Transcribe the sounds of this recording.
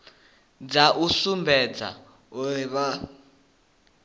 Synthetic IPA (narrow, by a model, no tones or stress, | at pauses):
d͡zaʔusumbʱɛd͡za̰ | uiβa